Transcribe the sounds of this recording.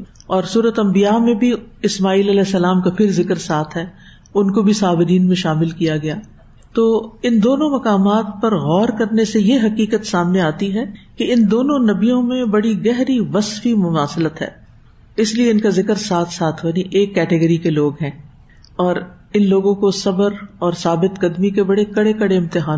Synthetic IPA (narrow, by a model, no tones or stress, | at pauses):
ɔːɾsuːɾət̪ɐ̃mbijamẽbʱiɪsmaːiːlɐlɛːsːɐlaːmkapʰɪɾzɪkəɾsaːt̪ʰɦɛː | ʊnkobʱisaːbɪɾiːnmẽʃaːmɪlkijaɡɐjaː | t̪oːɪnd̪oːnõmɐkaːmaːt̪̚pɐɾɣɔːɾkɐɾnesejeɦɐkiːkət̪saːmneaːt̪iɦɛkeɪnd̪oːnõnɐbijõmẽbɐɽiɡɛɦɾiʋɐsfimʊmaːsɪlət̪ɦɛ̰ː | ɪslieɪnkazɪkəɾsaːt̪ʰsaːt̪ʰʋɐnĩʔeːkːɛːʈɪɡəɾikeloːɡɦɛ̃ː | ɔːɾ | ɪnloːɡõkosɐbəɾɔːɾsaːbɪt̪ɡɐd̪mikebɐɽekɐɽekɐɽeɪ̃mt̪ɪɦaː